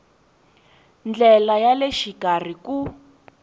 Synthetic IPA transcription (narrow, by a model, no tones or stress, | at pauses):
nd͡ɮɛlajaleʃikar̤iku